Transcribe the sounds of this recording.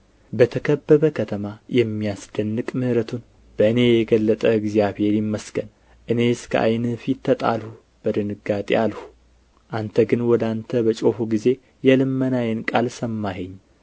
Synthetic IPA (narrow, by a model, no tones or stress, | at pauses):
bət̪ʰəkʰəbːəβəkʰət̪ʰəmajɛmːijasd̪ənːɨkʼmɨhɾət̪ʰun | b̥əɨne̞jɛɡəlːət̪ʼəɨɡzijaβhe̞ɾjɪmːəsɡən | ʔɨne̞skʰəʔa̰jnɨfit̪ʰːət̪ʼa̰lhu | b̥əd̪ɨnɨɡat̪ʼialhu̥ | ʔant̪ʰəɡɨnwɔd̪ant̪ʰəbət͡ʃʼo̞fuɡize̞ | jɛlɨmːənajɛnkʼalsəmːaɦeɲː